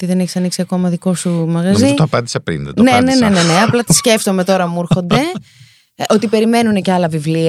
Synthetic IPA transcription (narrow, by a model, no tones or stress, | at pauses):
ot̪iðe̞neçesɐniksiɐko̞mɐðiko̞sumɐɣɐzziit̪oɐpɐnd̪isepɾḭnðɐ̰tnene̞ne̞neneɐplɐt̪i̥sce̞ft̪o̞me̞t̪o̞ɾɐmuɾxo̞nd̪e̞ | o̞t̪ipe̞ɾime̞nune̞ceɐlɐvivliɐ